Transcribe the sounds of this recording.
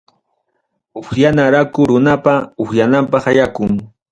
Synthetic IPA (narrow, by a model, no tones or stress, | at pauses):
ʊxjanaɾakʊɾʊnapaʊxjanampɑχajakʊŋ